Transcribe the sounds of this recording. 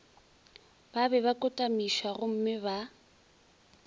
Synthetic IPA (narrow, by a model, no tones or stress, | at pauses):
babɛβakʼʊtʼamiʃaɣʊm̩mɪba